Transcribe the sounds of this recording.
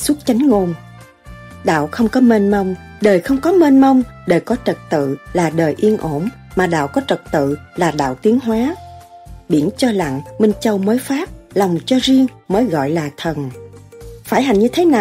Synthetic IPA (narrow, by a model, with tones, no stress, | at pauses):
su˦˥t̚t͡ɕa˨˦jŋ̟ŋo˧n | ɗa̰ː˧˨wxə˧wŋ͡mkɔ˨˦me˧nmə˧wŋ͡m | ɗəː˨˩jxə˧wŋ͡mkɔ˨˦me˧nmə˧wŋ͡mɗəː˨˩jkɔ˨˦t͡ɕə˨˩t̚t̪ɨ̰˧˨laː˨˩ɗəː˨˩jʔi˧ənʔo˧˩n | maː˨˩ɗa̰ː˧˨wkɔ˨˦t͡ɕə˨˩k̚t̪ɨ̰˧˨laː˨˩ɗa̰ː˧˨wt̪i˨˦əŋɦwaː˨˦ | ɓi˧˩ənt͡ɕɔ˧la̰˧˨ŋmi˧ŋ̟t͡ɕə˧wməː˨˦jfaː˦˥p̚lɔ˨˩wŋ͡mt͡ɕɔ˧zi˧əŋ | məː˨˦jɣɔ̰˧˨jlaː˨˩t̪ʰə˨˩n | faː˧˩jɦa˨˩jŋɲɨ˧t̪ʰe˨˦naː˨˩